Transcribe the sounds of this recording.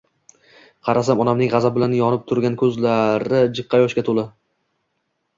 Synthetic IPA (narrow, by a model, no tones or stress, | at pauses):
qʰɑɾasamɒnamnɪŋʁɑzab̚bɪlanjɒnɪp̚t̪ʰʊɾɡʲankʲʰɵzlaɾɪd͡ʒɪqʰːɑjɒʃkʲat̪ʰolɪ